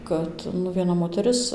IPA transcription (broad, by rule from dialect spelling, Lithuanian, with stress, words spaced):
ˈkɐt nʊ ʋʲiɛˈnɐ moːtʲɛˈrʲɪs